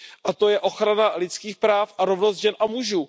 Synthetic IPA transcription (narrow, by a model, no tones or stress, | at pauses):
ʔat̪o̞jɛʔo̞xɾanalɪt͡skiːxpɾaːfʔaɾovnost̪ʒɛnʔamuʒuː